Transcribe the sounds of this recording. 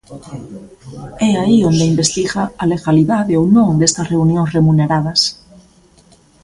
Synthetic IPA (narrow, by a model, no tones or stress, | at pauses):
ɛaiond̪eimbest̪iɣaaleɣaliðaðeownõŋd̪est̪ɐsreunjõŋsremuneɾað̞ɐs